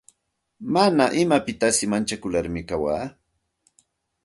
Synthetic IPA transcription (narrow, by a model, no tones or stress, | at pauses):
manaʔɪmapɪt̪asɪmant͡ʃakʊlaɾmɪkawaː